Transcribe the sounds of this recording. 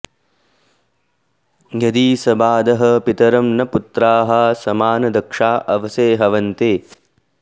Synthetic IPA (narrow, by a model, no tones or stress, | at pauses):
jɐd̪iːsɐbaːd̪ɐɦɐpit̪ɐɾɐmnɐput̪ɾaːɦɐsɐmaːnɐd̪ɐkʂaːʔɐʋɐseːɦɐʋɐnt̪eː